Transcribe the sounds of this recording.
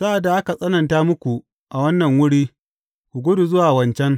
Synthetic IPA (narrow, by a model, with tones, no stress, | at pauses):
sa˦ʔa˨da˨ʔa˦ka˨sʼɐ˦nɐ˨ntaː˦mʊ˦kʷu˨ | ʔa˨wɐ˦nːɐ˨ŋwʊ˦ɽiː˦ | kʷu˨ɡʷʊ˦du˨zʊ˦waː˨wɐ˨nt͡ʃɛ˦ŋ